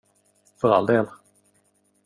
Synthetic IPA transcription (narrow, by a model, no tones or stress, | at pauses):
fœɾa̰ld̪eːl